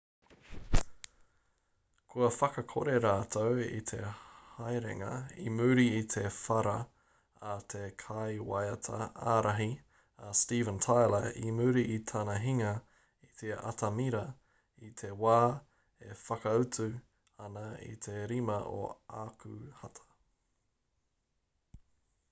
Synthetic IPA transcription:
kʰuɐfɐkɐkʰoɾeɾaːt̪ʰowḭt̪ʰehajɾḛŋɐ̰imʉɾiit̪ʰefɐɾɐ | ɐt̪ʰekʰajwajɐtʰɐ̰aːɾɐɦi | ɐstiːvə̃ntʰajləimʉɾiʔit̪ʰɐnɐɦiŋɐ | it̪ʰeɐ̰tʰɐmiɾɐ | it̪ʰe̞waː | efɐkɐʉtʉ | ɐnɐḭt̪ʰe̞ɾimɐʔo̰akʰʉhɐtʰɐ̥

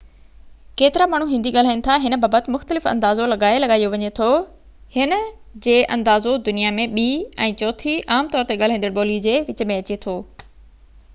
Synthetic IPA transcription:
keːt̪ɪɾamaːɳ̤uɦɪ̃nd̪iɠaːl̤aːinɪ̆t̪ʰaɦɪnə̆baːbət̪ɪmʊxt̪əlɪfɐ̰̃nd̪aːzolɐɠaːelɐɠaːijoʋɐɲet̪ʰo | hɪnə̆d͡ʑeːʔɐ̃nd̪aːzod̪ʊnijamẽɓiːɛ̃ːt͡ɕɔːt̪ʰiʔaːmt̪ɔːɾt̪eɠaːl̤aĩnəɽɓoːlid͡ʑeːʋɪt͡ɕmẽɐt͡ɕet̪ʰoː

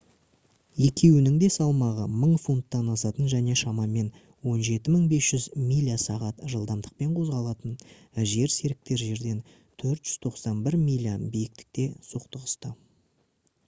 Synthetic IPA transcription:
je̞kʲe̞wɪnɪŋd̪e̞sɑlˠmɑʁə̰məɴfunt̪ːɑnɑsɑt̪ənʒæne̞ʃɑmɑme̞n | wo̞nʒe̞t̪ɪməɴbe̞sʒ̥ʏzmijlʲiasɑʁɑt̪ʒəlˠd̪ɑmd̪əq̚pe̞ɴqʰo̞zʁɑlˠɑt̪ən | ʒe̞ɾse̞ɾɪk̚t̪e̞ɾʒe̞ɾd̪e̞n | t̪ʰɵɾt̪ʒ̥ʏz̥t̪ʰo̞qsɑnbɪɾmijlʲiabijɪk̚t̪ɪ̥k̚t̪e̞soqt̪əʁəst̪ə

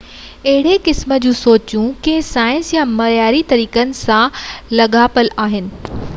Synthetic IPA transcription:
ɐɦɪɽ̤ekɪsmə̆d͡ʑũːsoːt͡ɕjũkesaːjɪ̃nsjamɐjaːɾit̪ɐɾiːkənɪ̆sãlɐɠaːpəlaːɦɪnɪ̆

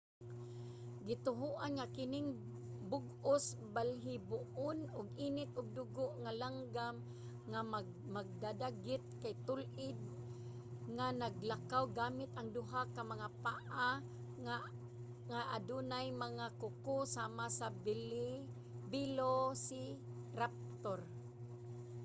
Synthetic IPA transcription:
ɡɪt̪ʊɦuʔanŋakɪnɪŋ | bʊɡʊsbalɦɪbʊʔʊnʊɡiːnɪt̪̚ʔʊɡ̚d̪ʊɡʊʔŋalaŋɡam | ŋa | maɡ̚d̪ad̪aɡɪt̪̚kajt̪ʊlʔɪd̪̚ | ŋanaɡlakawɡaːmɪt̪ʔaŋd̪ʊɦakamaŋapaʔa | ŋaʔad̪unajmaŋakʊkʊsaːmasabl | bɪlosɪ | ɾap̚t̪oɾ

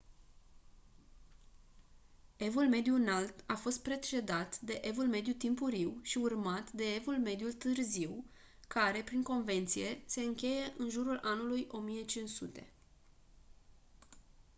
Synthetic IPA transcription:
e̞vulme̞d̪juɨnalt̪afo̞st̪̚pɾe̞t͡ʃe̞d̪at̪d̪e̞ʔe̞vulme̞d̪jut̪impuɾiwʃiurmat̪d̪e̞evulme̞d̪jult̪ɨrziw | kaɾe̞pɾiŋko̞nve̞nt̪sije̞se̞ɨŋkʲe̞je̞ʔɨnʒuɾulʔanulujʔo̞mije̞t͡ʃinsut̪e̞̰

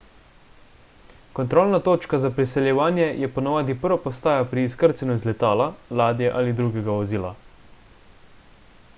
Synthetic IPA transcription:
kɔnt̪ɾoːlnat̪oːt͡ʃkazapɾisɛljɛʋaːnjɛjɛpɔnaʋaːd̪ipəɾʋapɔst̪aːjapɾiːskəɾt̪sɛnuizlɛt̪aːlalaːd̪jɛʔaːlid̪ɾuɡɛɡaɔziːla

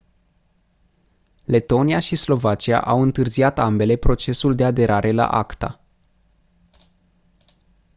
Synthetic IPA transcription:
le̞t̪o̞niaʃislo̞vat͡ʃia̰ʔawɨnt̪ɨrziat̪ambe̞le̞pɾo̞t͡ʃe̞suld̪e̞ad̪e̞ɾʔaɾʔe̞la̰ʔa̰kt̪a̰

